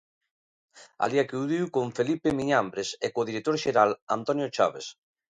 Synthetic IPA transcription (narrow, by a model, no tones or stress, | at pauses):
a̰liakuðiwkoɱfelipemiɲambɾesekoðiɾek̚t̪oɾʃeɾalant̪ɔnjot͡ʃaβes